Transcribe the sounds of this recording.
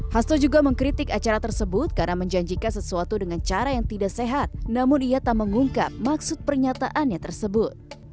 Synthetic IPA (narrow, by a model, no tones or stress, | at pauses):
hast̪ɔd͡ʒuɡaməŋkɾit̪ɪkat͡ʃaɾat̪ərsəbʊt̪̚karənaməɲd͡ʒaɲd͡ʒikansəsuat̪udəŋant͡ʃaɾajaŋt̪idaʔseɦat̪̚namʊniat̪aməŋuŋka̰p̚maksʊt̪̚pərɲat̪aʔanɲat̪ərsəbʊt̪̚